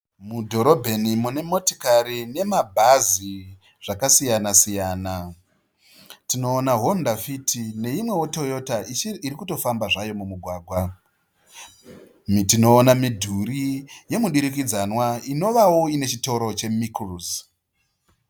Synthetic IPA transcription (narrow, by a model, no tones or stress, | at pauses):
mudʱo̞ɾo̞bʱe̞nimune̞mo̞ti̥kaɾine̞mabʱazi | ʐ̥akasijanasijaːna | tino̞ːnaɦondafitʰine̞imwe̞woto̞jo̞taiiɾikuto̞fambaʐajo̞mumuɡʱwaːɡʱwa | mitino̞ːnamidʱuɾije̞muɗiɾik̬id͡zanwaino̞ʋawo̞ine̞t͡ʃito̞ɾo̞t͡ʃe̞mikrus